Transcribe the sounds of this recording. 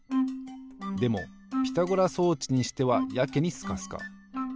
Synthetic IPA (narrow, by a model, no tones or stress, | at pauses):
d̪e̞mo̞̰ | pʲi̥t̪aɡoɾaso̞ːt͡ɕiɲ̟iɕi̥t̪e̞βajake̞ɲ̟isɨ̥kasɨ̥ka̰